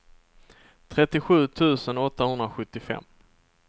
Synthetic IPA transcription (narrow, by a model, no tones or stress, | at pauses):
t̪ʰɾɛt̪ːɪɧʉ̟ːt̪ʰʉ̟ːsənɔt̪ːahɵnd̪ɾaɧɵt̪ːɪfɛ̰mː